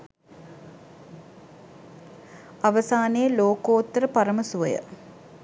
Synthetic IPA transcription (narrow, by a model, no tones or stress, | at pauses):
ɐʋɐsaːnejəloːkoːt̪ːɐɾəpɐɾɐmɐsuʋɐjə̰